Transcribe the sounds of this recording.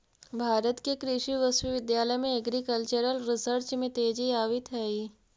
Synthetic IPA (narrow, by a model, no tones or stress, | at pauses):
bʱaːɾət̪kekɾɪʃiʋəsʋiʋɪd̪jaːləjmẽɐɡɾikəlt͡ʃəɾəlɾɪsəɾt͡ʃmẽt̪eːd͡ʒiaːʋit̪ɦɛi